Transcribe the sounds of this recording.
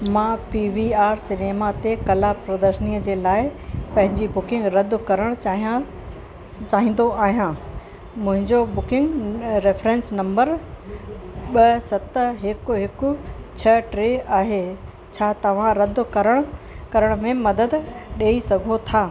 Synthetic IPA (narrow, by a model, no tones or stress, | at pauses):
mãːpiʋiaːɾsɪneːmat̪ekɐlapɾəd̪əʃəniːəd͡ʑeːlaːɪpɐ̃ɦɪ̃ɲd͡ʑibʊkɪ̃ŋɡɾɐd̪ʱkɐɾəɽ̃ɦ | t͡ɕaːɦĩːn̆d̪oaːɦijãː | mʊ̃ɦɪ̃ɲd͡ʑobʊkɪ̃ŋɡɾefɾɛ̃ːnsnɐ̃mbəɾ | ɓɐsɐt̪əɦɪkʊɦɪkʊt͡ɕʰɐʈɾeːaːɦeː | t͡ɕʰaːt̪ɐʋ̤ãɾɐd̪̆ʱkɐɾəɽ̃ʊ | kɐɾəɽ̃mẽmɐd̪əd̪ɗeːisɐɡʱot̪ʰaː